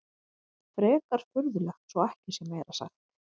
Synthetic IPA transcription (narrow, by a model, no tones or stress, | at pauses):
fɾɛːkaɾ̥fʏɾðʏlɛxt̪sɔɛhcɪ̥sjɛmːeːjɾasa̰xt̪